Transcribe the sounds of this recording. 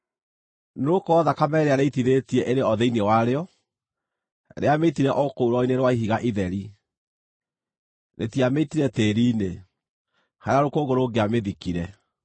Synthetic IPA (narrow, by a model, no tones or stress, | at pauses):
nokɔðakamɛɾeaɾeitiðetiɛʔeɾeɔðɛinewaɾeɔ | ɾḛameitiɾɛʔɔkouɾɔineɾwaiɦiɣaʔiðɛɾi | nḛtiameitiɾɛteːɾiːne | haɾaɾokoɣoɾoːɡeameðikiɾɛ